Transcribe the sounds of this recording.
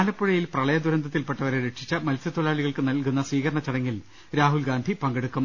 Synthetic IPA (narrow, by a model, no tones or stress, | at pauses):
lɐpːuɻɐjilprɐɭɐjɐd̪uɾɐnd̪ɐt̪ːilpeʈːɐʋɐɾeɾeʈʂi̥t͡ɕːɐmɐlsɐt̪olaːɭiɣɐɭkɨnɐlkunːɐsʋiːkɐɾɐɳɐt͡ɕːɐɽɐŋːil | ɾaːɦulɡaːnd̪ʱipɐŋɡeɽukːɐm